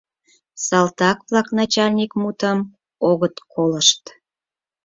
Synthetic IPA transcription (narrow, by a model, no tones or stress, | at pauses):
sɑlt̪ɑkβlɑknɑt͡ɕɑlʲnʲikmut̪əm | oɣət̪kʰoləʃt̪